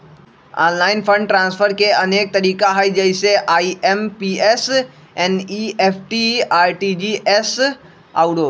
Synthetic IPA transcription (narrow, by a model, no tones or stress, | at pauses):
a̰ːnlaːɪnpʰə̃ɳɖʈɾãːnsfʰəɾkeɐneːk̚t̪ɐɾiːkaɦaid͡ʒɐɪseʔaːiempies | ɛ̃ːnieːpʰʈiaːɾʈid͡ʑiːʔeːs | a̰ːʊɽoː